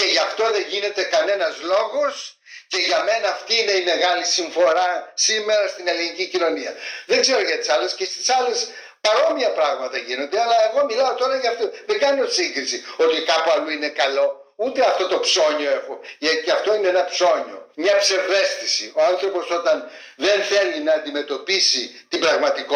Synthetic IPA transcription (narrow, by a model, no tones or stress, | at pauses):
ce̞ʝɐft̪o̞ðe̞ɲʝine̞t̪e̞kɐne̞nɐzlo̞ɣo̞s | ce̞ʝɐme̞nɐːft̪iine̞ime̞ɣɐlisiɱfo̞ɾɐsime̞ɾɐst̪ine̞linicicino̞niɐðeɡze̞ɾo̞ʝɐt̪i̥sɐle̞scest̪i̥sɐle̞s | pɐɾo̞miɐpɾɐɣmɐt̪ɐʝino̞nd̪e̞ɐlɐeɣo̞milɐot̪o̞ɾɐʝɐft̪oðeɡɐnot̪siŋɡɾisio̞t̪ikɐpuɐluinekɐlo̞ | ut̪e̞ɐft̪o̞t̪o̞pso̞ɲo̞e̞xo̞ʝɐceɐft̪o̞ineenɐpso̞ɲo̞̰mɲɐpse̞vðe̞st̪isio̞ɐnθɾo̞po̞so̞t̪ɐn | ðe̞nθe̞linɐːnd̪ime̞t̪o̞pisit̪ibɾɐɣmɐt̪ik